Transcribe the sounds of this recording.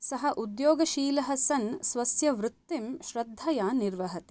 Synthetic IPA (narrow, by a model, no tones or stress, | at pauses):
sɐɦɐʔud̪joːɡɐʃiːlɐɦɐsɐnsʋɐsjɐʋɾut̪ːimʃɾɐd̪ʱːɐjaːniɾʋɐɦɐt̪i̥